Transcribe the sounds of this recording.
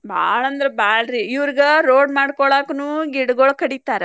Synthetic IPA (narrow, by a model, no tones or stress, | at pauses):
bʱa̰ːɭɐnd̪ɐɾɐbaːɭɾiːʋɐɾiɡɐɾoːɖmaːɽkɔɭaːkɐnuːɡiɽɐɡoɭkɐɽit̪aːɾe